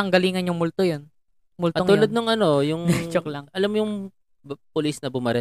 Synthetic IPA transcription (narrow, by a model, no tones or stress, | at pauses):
ɐŋɡɐliːŋɐnjʊŋmʊlt̪ojon | mʊltɐoŋuːllɐd̪nʊŋɐno̞jʊŋnɛt͡ʃoklaŋɐlamːjʊŋ | pʊlisnɐbʊmɐɾɛ